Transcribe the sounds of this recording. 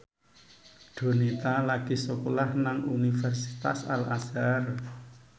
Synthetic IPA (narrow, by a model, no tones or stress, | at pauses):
ɖ̥o̤nit̪alaɡ̥i̤səkolahnaŋunifɛrsi̥t̪a̰sa̰lasar